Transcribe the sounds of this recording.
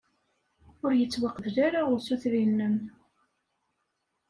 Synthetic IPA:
ʊɾjət͡sːwaqːəðʝaɾaʊɾsuθɾinːən

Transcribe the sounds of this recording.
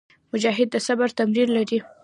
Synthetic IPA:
mʊd͡ʒɑɦɪd̪̚ːəsabaɾt̪amɾiɾlaɾi

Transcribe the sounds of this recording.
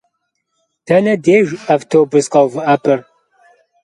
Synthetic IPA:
tʰɐnɐdeːʒɐftʰoːbɨsqɐwvɨɐpʰɨr

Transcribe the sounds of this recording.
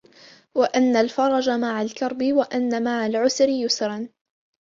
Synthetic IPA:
waʔanːalfɑɾˤɑd͡ʒamaʕalkɑɾˤbɪwaʔanːamaʕalʕʊsɾɪjʊsɾɑn

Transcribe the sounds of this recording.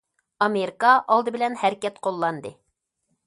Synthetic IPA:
ɑmeɾikɑʔɑlˠd̪ɨbɪ̆lɛnhæɾkʲɛt̪qʰolˠːɑnd̪ɨ

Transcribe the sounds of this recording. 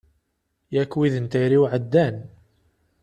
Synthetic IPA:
jækːwiðənt̪ijɾiwʕəd̪ːæn

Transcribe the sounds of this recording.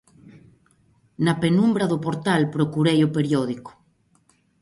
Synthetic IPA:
napenũmbɾaðopoɾt̪alpɾokuɾejopeɾjoðiko̥

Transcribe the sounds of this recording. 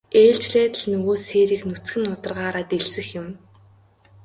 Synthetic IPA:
eːɮt͡ɕɮæːt̪ə̆ɮnɵɣoːseːɾiːknut͡sɡɘ̆nːʊt̪ə̆rʁaːɾaːt̪eɮsɘ̆xjɪ̆m

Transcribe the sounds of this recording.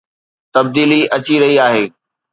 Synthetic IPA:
t̪ɐb̚d̪iːliɐt͡ɕiɾɐɦiaːɦeː

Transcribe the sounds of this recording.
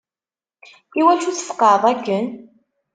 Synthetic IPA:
iwæʃuθəfə̥qːɑðˤækːən

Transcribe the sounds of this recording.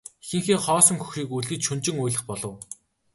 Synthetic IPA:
xĭŋxeːχɔːsɞ̆ŋxɵ̥xʃiːkuɮɣɘ̆t͡ɕʃɵnt͡ɕɪ̆ŋʊjɮə̆χpɔɮɞ̆w

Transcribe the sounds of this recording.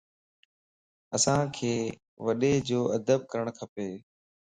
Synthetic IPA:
əsãkʰeː | ʋɐɗed͡ʑoːɐd̪əb̚kəɾəɽ̃kʰɐpeː

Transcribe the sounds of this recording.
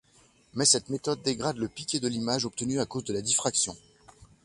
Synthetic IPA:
mɛsɛt̪met̪ɔd̪ːeɡʁad̪ləpikʲed̪əlimaʒɔp̚t̪ənyakozd̪əlad̪ifχaksjɔ̃

